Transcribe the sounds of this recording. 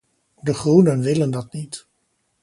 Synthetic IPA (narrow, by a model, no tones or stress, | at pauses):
dəχrunənʋɪləndɑt̚nit